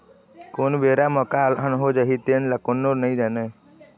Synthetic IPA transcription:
koːnbeːɾaməkaːlɦənɦod͡ʒəɦit̪eːnləkonːoɾnəĩd͡ʒ̪əːne

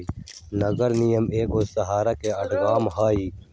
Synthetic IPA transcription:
nəɡəɾnijəmeːɡoːsəɦaːɾaːkeːəʈɡaːmɦaːiː

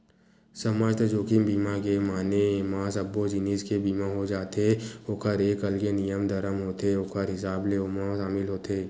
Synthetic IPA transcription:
sɐmaːd͡ʒt̪ɐd͡ʒoːkɪmbiːmakemaːnemaːsɐbːod͡ʒɪniːskebiːmaɦod͡ʒaːt̪eokʰəɾeːkɐlɡenijəmd̪ɐɾəmɦoːt̪eoːkʰəɾɦɪsaːbleoːmãʃaːmɪlɦoːt̪eː

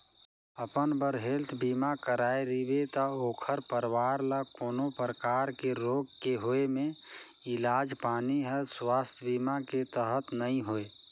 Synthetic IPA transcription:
əpənbəɾɦelt̪ʰbimakəɾaeɾibet̪əoːkʰəɾpəɾʋaɾlakoːnopɾəkaːɾkeɾoːɡkeɦoemẽ | ilaːd͡ʒpaːniɦəlswaːst̪ʰjbimaket̪əɦət̪nəĩɦoe

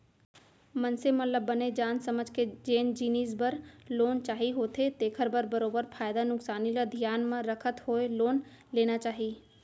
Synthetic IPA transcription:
mənsemɐt̪ləbːəned͡ʒaːnsəməd͡ʒʱked͡ʒeːnd͡ʒiːniːzbəɾloːnt͡ʃaːɦiɦoːt̪ʰet̪eːkʰəɾbəɾbəɾoːbəɾfʰaːjd̪anʊksaːnilad̪ʱijaːnmãɾəkʰət̪ɦoːeloːn | leːnat͡ʃaːɦiː

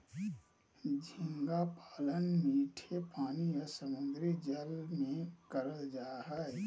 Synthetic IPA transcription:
d͡ʒʱɪ̃ŋɡapaːlənmiːʈʰepaːniɔsəmʊ̃nd̪ɾid͡ʒəlmẽkəɾəld͡ʒaːɦa

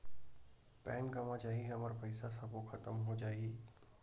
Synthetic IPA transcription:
pɛ̃ːnkɐmãd͡ʒaːɦiɦɐməɾpɐɪsasɐboxʰɐt̪əmɦod͡ʒaːiː

